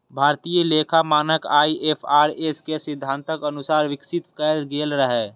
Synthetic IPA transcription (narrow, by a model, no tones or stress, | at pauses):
bʱaːɾt̪ijəleːkʰamaːnəkaːiʔepʰaːɾeskesɪd̪ʱːãːnt̪əkənʊsaːɾʋɪksɪt̪kɛːd̪ɡeːlɾəɦɛː